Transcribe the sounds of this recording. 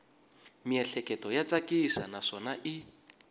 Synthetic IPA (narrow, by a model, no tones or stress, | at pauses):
miɛɬɛkʼɛtʼɔjat͡sʼakʼisanaʂɔnaʔi